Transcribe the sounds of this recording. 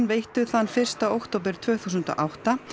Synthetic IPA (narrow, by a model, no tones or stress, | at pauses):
nveːjht̪ʏθanːfɪr̥st̪aowkt̪ʰoːwpɪɾ̥t̪ʰv̥œːθuːsʏnt̪ɔ̰ʔawhtt̪a